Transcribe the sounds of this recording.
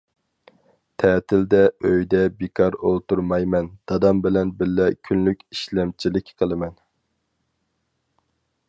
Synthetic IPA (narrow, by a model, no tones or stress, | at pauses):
t̪ʰɛːt̪ʰɪld̪ɛøjd̪ɛbekʰɑɾolˠt̪uɾmɑjmɛnd̪̥ɑd̪ɑmbɪlɛnbɪlːɛkʲʰynlykʲi̥ʃlɛmt͡ʃʰilɪkʲqʰəlˠɨmɛn